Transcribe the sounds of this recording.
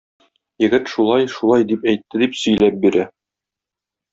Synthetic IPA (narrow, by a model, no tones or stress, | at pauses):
jɘ̆ɡɘt̪ʃulˠɑjʃulˠɑjd̪ipæjt̪ːɘd̪ipsɵ̆jlæp̚biɾæ